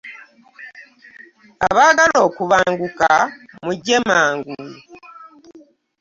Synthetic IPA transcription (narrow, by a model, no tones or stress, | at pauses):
a̰βaɡalo̞ːkuβaːŋɡuka | muɟemaːŋɡu